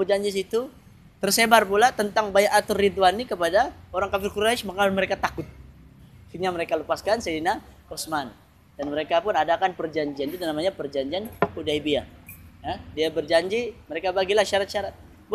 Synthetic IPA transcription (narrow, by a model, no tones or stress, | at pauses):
əd͡ʒaɲd͡ʒis̬it̪u | t̪ərsebarpulat̪ənt̪aŋbajaʔat̪ʊrːit̪̬uanikəpadaoɾaŋkafɪrkuɾaʃmaŋanməɾekat̪akʊt̪̚ | fiɲaməɾekaləpaskansedina | ɔsman | danməɾekapʊnadakanpərd͡ʒaɲd͡ʒiant̪it̪unamaɲapərd͡ʒaɲd͡ʒianudaibiajadiabərd͡ʒaɲd͡ʒiməɾekabaɡilahʃaɾat̪̚ʃaɾat̪̚ | b